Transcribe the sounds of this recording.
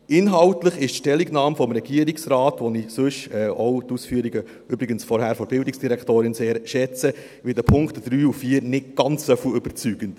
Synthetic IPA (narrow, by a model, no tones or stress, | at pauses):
ʔɪnɦɑʊtləχɪʃtʃtɛlːiɡnɑːmfɔmɾɛɡiəɾiksɾɑːtʋɔnisɵʃɛːowtuːsfyːəɾiɡə | ʏbɾɪɡənsfɔɾhæːɾfoɾb̥ɪldɪksd̥iɾɛktoːɾɪnseːɾʃɛt͡sə | ʋɪldəpʰʊŋktd̥ɾyːufiːəɾnɪt̚ɡ̥ɑnt͡ssœfəʏb̥əɾt͡syːɡ̥ənt